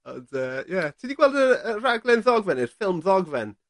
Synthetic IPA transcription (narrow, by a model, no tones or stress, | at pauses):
ɔndəjɛtʰidiɡwɛlˠdəəraɡlˠɛnðɔɡvɛnirfɪlˠmðɔɡvɛn